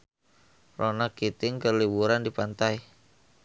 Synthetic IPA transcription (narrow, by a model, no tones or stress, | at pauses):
rʔonakit̪ɪŋkərliwuɾandipant̪aj